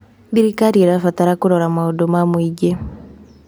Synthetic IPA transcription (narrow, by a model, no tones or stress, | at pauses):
diɾikaɾiɛɾafataɾakuɾɔɾamaodomamwiɡe